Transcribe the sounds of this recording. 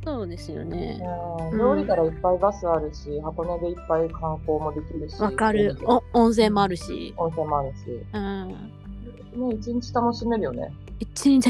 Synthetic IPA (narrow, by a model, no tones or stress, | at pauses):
soːd̪e̞sɨjo̰ne̞̰ɯ̃ɾʲo̞ːɾʲikaɾaipːaibasɨaɾɯ̟ɕihako̞ne̞d̪e̞ipːaikʰãŋko̞ːmo̞d̪e̞kʲiɾɯ̟ɕiβakaɾɯ̟õõɰ̃s̬ẽ̞mːo̞aɾɯ̟ɕḭõñsẽmːo̞aɾɯ̟ɕḭɯ̃ | ne̞it͡ɕĩɲt͡ɕi̥t̪ano̞ɕime̞ɾɯ̟jo̞nḛ | it͡ɕiɲt͡ɕ